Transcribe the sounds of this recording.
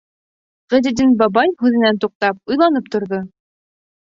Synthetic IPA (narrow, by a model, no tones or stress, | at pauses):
ʁɘ̆d̪id̪inbɑbɑjhʉðɘ̆nænt̪uq̚t̪ɑp̚ujlˠɑnɤpt̪ŏɾðo